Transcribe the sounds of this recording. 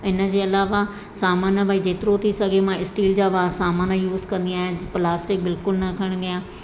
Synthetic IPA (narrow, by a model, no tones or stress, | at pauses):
ɪnə̆d͡ʑeːɐlaːʋa | saːmaːnəbʱaːid͡ʑeːt̪ɪɾot̪ʰisɐɡʱemãɪsʈiːld͡ʑaːʋaːsaːmaːnəjuːzkɐ̃nd̪ijaːẽplaːsʈɪk̚bɪlkʊlnɐkʰəɽ̃ɡɪjãː